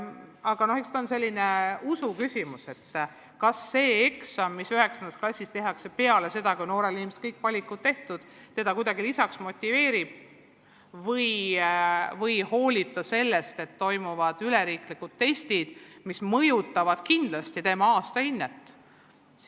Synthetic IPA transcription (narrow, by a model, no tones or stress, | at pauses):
ɑɡ̥ɑno̞hekst̪ɑonse̞lʲːine̞usukysimuse̞t̪ː | kɑsːe̞ːeksɑmːisyɦe̞ksɑnesklɑsʲːist̪e̞ɦɑkse̞pe̞ɑlese̞d̪̥ɑkujno̞ːɾe̞linʲimese̥t̪kɤjkːvɑlʲikːˑut̪̚t̪e̞ht̪ud̪̥ | t̪e̞d̪ɑkujd̪̥ɑɡilisɑksmo̞t̪ʲːˑive̞ːɾib̥̚ | vɤj | vɤjho̞ːlʲit̪ːˑɑse̞lːe̞st̪e̞t̪t̪ːo̞jmuvɑd̪̥yleɾiːklikːˑud̪̥̚t̪e̞sʲt̪id̪̥mismɤjut̪ːˑɑvɑd̪̥kind̪̥lɑst̪it̪e̞mɑɑːst̪ɑinːet̪ː